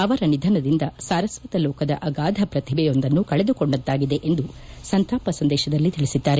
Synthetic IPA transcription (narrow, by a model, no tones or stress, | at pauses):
ɐʋɐɾɐnid̪ʱɐnɐd̪ind̪ɐsaːɾɐsʋɐt̪ɐlɔːkɐd̪ɐ̰ʔɐɡaːd̪ʱɐpɾɐt̪ʰibɛjo̞nd̪ɐnːukɐɭed̪ukoɳɖɐt̪ːaːɡid̪eʔe̞nd̪u | sɐnt̪aːpɐsɐnd̪ɛːʃɐd̪ɐlːit̪iɭisid̪ːaːɾe